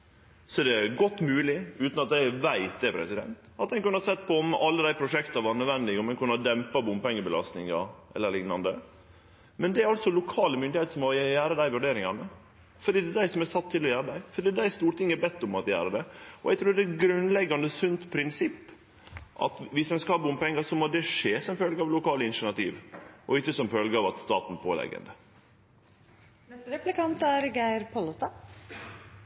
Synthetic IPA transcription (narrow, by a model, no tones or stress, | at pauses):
sɔɛd̪ɛɡɔt̪ːmʉːlɪʉːt̪nɑt̪æɪʋæɪt̪̚d̪ɛpʰɾɛ̰sɪd̪ɛ̰nt̪ɑt̪d̪ɛnkʉnəhɑsɛt̪ːpʰɔɔmɑlːəd̪æɪpʰɾʊʂɛkt̪ɑʋɑɾnœʋɛnd̪ɪɡɔmɛnkʉnːəhɑd̪ɛmpɑbʊmpɛŋːəbəlɑ̰st̪nɪŋɑ̰ʔɛ̰lːəɭɪŋnɑnd̪ə | mɛnd̪ɛæɾɑlsɔlʊkʰɑːləmʏnd̪ɪheːt̪sɔmːɔjæːɾəd̪æɪʋʉɖeːɾɪŋɑnə | fɔɖ̪iːd̪ɛd̪æɪsɔmɛsɑt̪ʰːɪlːɔjæːɾəd̪æɪfɔɖ̪iːd̪æɪst̪uːɾʈ̪ɪŋːəɛbɛt̪ːʊmɑt̪jæ̰ːɾəd̪ɛɔ̰ʔɛɡt̪ʰɾuːɾd̪ɛɡɾʉnlɛɡːɑnd̪əsʉnt̪pʰɾɪnsɪpː | ʔɑ̰t̪ʋɪsɛnskɑbʊmpʰɛŋːəsɔmɔd̪ɛʂeːsɔmfœlɡɑʋlʊkʰɑːləɪnʃʂɪnɑt̪ḭːʋʔɔɪçːəsɔmfœlɡəɑʋɑt̪st̪ɑ̰ːt̪npʰoːlɛ̰ɡə̰nd̪ə | nɛst̪əɾɛplɪkɑnt̪æɾɡæɪɾpʰolʊst̪ɑː